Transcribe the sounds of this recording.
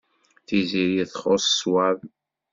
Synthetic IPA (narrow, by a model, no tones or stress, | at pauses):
θiziɾjiθχosswað